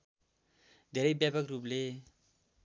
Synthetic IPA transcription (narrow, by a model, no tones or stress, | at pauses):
d̪ʱeɾʌjbjapakruple